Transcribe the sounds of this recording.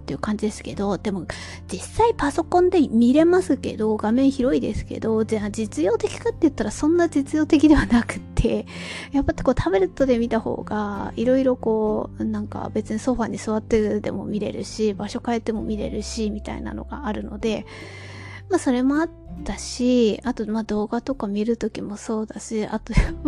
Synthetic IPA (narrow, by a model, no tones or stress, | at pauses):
t̪ːe̞iɯ̟ːkãɲ̟d͡ʑid̪e̞sɨ̥ke̞d̪o̞d̪̥e̞mo̞ | d͡ʑisːaipaso̞kõ̞nd̪e̞mʲiɾe̞masɨke̞̰d̪o̞ɡamẽ̞ɰ̃çiɾo̞id̪e̞̰sɨ̥ke̞̰d̪o̞ad͡ʑit͡sɨjo̞ːt̪e̞kʲi̥kat̪ːe̞jɯ̟t̪ːaɾasõ̞nːad͡ʑit͡sɨjo̞ːt̪e̞kʲid̪e̞βanakɯ̟̥t̪ʰːe̞ | japːat̪ko̞ːt̪ʰabe̞ɾɯ̟t̪ːo̞d̪e̞mʲit̪aho̞̰ːɡaiɾo̞iɾo̞ko̞ːnãŋka̰be̞t͡sɨɲ̟iso̞ɸaːɲ̟isɨβat̪ːed̪e̞̰mo̞̰mʲiɾe̞̰ɾɯ̟̰ɕibaɕo̞kae̞t̪ːe̞mo̞mʲiɾe̞̰ɾɯ̟ɕimʲit̪a̰ḭna̰no̞̰ɡa̰ːɾɯ̟no̞̰d̪e̞ | maso̞ɾe̞mo̞at̪ːaɕiat̪o̞mad̪o̞ːɡat̪o̞kamʲiɾɯ̟t̪o̞kʲimo̞so̞ːd̪aɕia̰t̪o̞